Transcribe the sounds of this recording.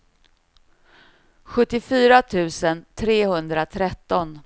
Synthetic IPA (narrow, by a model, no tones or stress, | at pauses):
ɧɵt̪ːɪfyːɾat̪ʰʉ̟ːsənt̪ʰɾeːhɵnd̪ɾat̪ʰɾɛt̪ːɔn